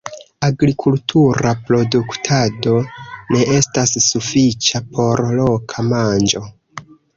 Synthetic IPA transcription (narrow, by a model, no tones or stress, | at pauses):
aɡɾikʰultʰuɾapɾo̞duktʰado̞ne̞ʔe̞stasːufit͡ʃapʰo̞ɾlo̞kʰamand͡ʒo̞